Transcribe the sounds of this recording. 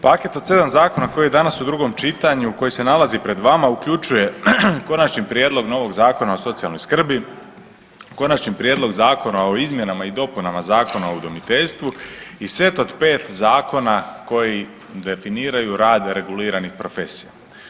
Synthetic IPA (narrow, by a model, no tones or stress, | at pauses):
pake̞t̪o̞d̪se̞d̪amzaːko̞nako̞jijed̪anasud̪ɾuɡo̞mt͡ʃit̪aɲuko̞jese̞nalazipɾe̞d̪ʋamaukʎʲut͡ʃuje̞ko̞nat͡ʃnipɾjeːd̪lˠo̞ɡno̞ʋo̞ɡzaːko̞nao̞so̞t̪sijalˠno̞jskr̩bi | ko̞nat͡ʃnipɾjed̪lˠo̞ɡzaːko̞nao̞izmje̞namaid̪o̞punamazaːko̞naoud̪o̞mit̪e̞ʎst̪ʋuisʋe̞t̪o̞d̪pe̞ːt̪zaːko̞nako̞ji | d̪e̞finiːɾajuɾaːd̪ɾe̞ɡuliːɾanixpɾo̞fe̞sija